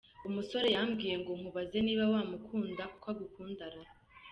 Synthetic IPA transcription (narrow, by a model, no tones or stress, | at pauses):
umuso̞ɾe̞jamɡiːje̞ŋɡoŋ̥uβaze̞niːβawaːmukʰuːndakukwaɡukʰuːndaɾa